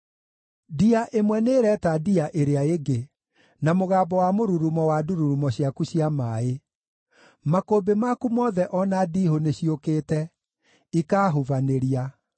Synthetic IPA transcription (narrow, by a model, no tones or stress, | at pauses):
diaʔemwɛneːɾɛtadiaʔeɾeaeɡe | namoɣaːbɔwamoɾuɾumɔwaduɾuɾumɔɕiakuɕiamae | makoːbemakumɔːðɛʔɔnadiːhoneɕiokeːtɛ | ikaːɦovaneɾia